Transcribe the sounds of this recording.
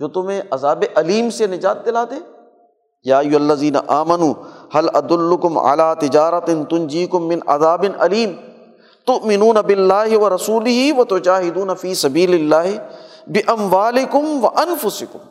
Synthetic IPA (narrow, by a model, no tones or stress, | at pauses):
d͡ʒoːt̪ʊmẽʔɐzaːbeʔɐliːmsenɪd͡ʒaːt̪̚d̪ɪlaːt̪e | jaːɪjːʊɦɐlːɐziːnɐ̰ʔaːmɐnuːhɐlʔɐd̪ʊlːʊkʊmʕa̰laːt̪ɪd͡ʒaːɾɐt̪ɪnt̪ʊnd͡ʒiːkʊmːɪ̃nʔɐ̰zaːbɪnʔɐ̰liːm | t̪ʊʔmɪnuːnɐbɪlːaːɦɪʋɐɾɐsuːlɪɦiʋɐt̪ʊd͡ʒaːɦɪd̪uːnɐfiːsɐbiːlɪlːaːɦɪbɪʔɐmwaːlɪkʊmʋɐʔɐnfʊsɪkʊm